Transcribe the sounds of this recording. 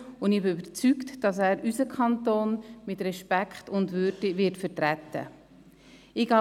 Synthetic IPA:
ʊndɪbɪybəɾt͡syktd̥ɑs̬æːɾysəkʰχɑntoːnmɪtɾɛʃpækχtʊndvʏɾdivɪɾtfəɾtɾɛtːə̰ | ɪɡɑ

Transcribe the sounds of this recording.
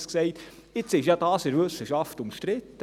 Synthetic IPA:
sksɛɪt | ɪt͡sɪʃjɑd̥ɑːsɪɾʋɵsəʃɑftʊmʃtɾɪtːə

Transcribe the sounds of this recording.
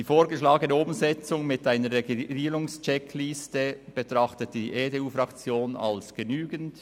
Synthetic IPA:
d̥iːfoːɾɡəʃlaːɡənɛʊmzɛt͡sʊŋmɪtʔaɪnəreɡiiːɾʊŋst͡ʃɛkʰlistəb̥etʁɑχtət̚d̥iʔeːdeːuːfɾɑkt͡sjoːnɑ̰lsɡ̥ənyːɡənt

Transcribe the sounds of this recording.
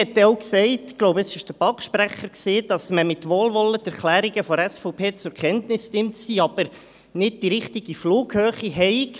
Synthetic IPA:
ɛt̪ːɛoʊksɛɪtɡ̥loʊbəəsɪʃd̥əbɑkʃpɾæχːəɾkseːd̥ɑsməmɪt̪ʋoːlʋɔlːətɛɾklæːɾiɡəfɔɾɛsfɔʊpʰeːt͡sʊɾkʰɛntnɪstɪmtsiːɑb̥əɾ | nɪd̚d̥iɾɪχtiɡ̥ifluːɡhøːχiɦɛɪk

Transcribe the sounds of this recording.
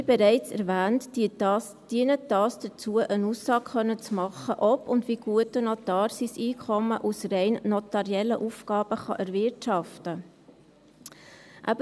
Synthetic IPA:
bɛɾɛɪt͡sɛ̰ɾvæːnt | d̥iənədɑːsd̥ət͡suəʔənuːsːɑːkχœnːət͡smɑχːəʔɔpʊndʋiɡ̥uətənɔtɑːɾsisiːkχɔmːəʔusrɛɪnːɔtɑɾiɛlːəʔufkɑːb̥əχɑ̰ʔæɾvɪɾtʃɑftə | ʔæ̰b

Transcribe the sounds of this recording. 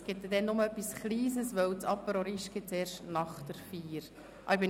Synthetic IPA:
ɡ̥ɪt̚dɛd̪ɛnnʊməœpːisχliːzəsʋœwt͡sɑpːəɾoɾiʃɡ̥ɪt̪t͡seːɾʃtnɑχtəɾfiːɾ | ʔɑ̰ɪbɪ

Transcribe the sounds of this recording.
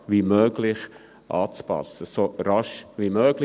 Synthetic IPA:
ʋimøːɡ̥lɪχ | ʔɑ̰ːt͡spɑ̰səsoɾɑʃʋimøːɡl

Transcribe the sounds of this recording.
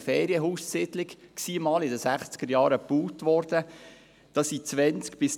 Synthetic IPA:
feːɾiəɦuːssɪd̪lɪkksiːmɑːlɪdəsæχt͡sɡ̥əɾjɑːɾəpuːtʋɔrd̥ə | d̪̥ɑsit͡sʋɛnt͡skb̥ɪs

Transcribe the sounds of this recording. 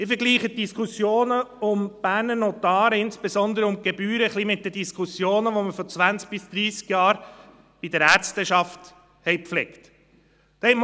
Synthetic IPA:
ɪfəɡliːχət̚d̥iskʰusjoːnəʊmb̥æːɾnənɔt̪ɑːɾəɪnsb̥esɔnd̪əɾəʊmɡ̥ebyːɾəχlimɪt̚d̥əd̥iskʰusjoːnəʋoməfɔt͡svænt͡sk̚b̥ɪsd̥̪ɾiːskjɑːɾ | b̥id̥əɾæɾt͡stəʃɑft | hɛɪpflɛkt | d̥hɛm

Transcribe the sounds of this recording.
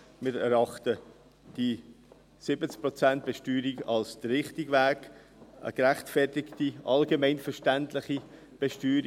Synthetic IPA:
mɪːɾɛɾɑχtə | d̥i | sɪbət͡sk̚pɾɔt͡sænt̚b̥ɛʃtyːɾiɡɑlsd̥əɾɪχtɪɡvæːk | ə̰ɡɾæχtfɛrtɪktiʔɑlɡemɛɪnfɛɾʃtæntlɪχi | b̥ɛʃtyːɾi

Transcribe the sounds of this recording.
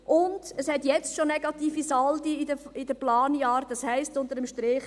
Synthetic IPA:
ʔʊnd̥əshɛtjɛt͡stʃonɛɡ̥ɑt̪iːfisɑldiɪdəɪdəplɑːnjɑːɾdɑshɛɪstʊndəɾəmʃtɾɪχ

